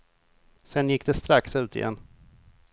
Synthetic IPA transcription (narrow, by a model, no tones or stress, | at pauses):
sɛnjɪkːd̪ɛst̪ɾaksʉ̟ːt̪ʰɪ̰jɛ̰n